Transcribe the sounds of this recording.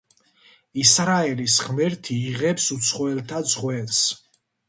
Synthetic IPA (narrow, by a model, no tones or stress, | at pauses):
isɾaɛlisʁmɛɾt̪ʰiːʁɛpsut̪sʰχɔwɛlt̪ʰad̪zʁwɛls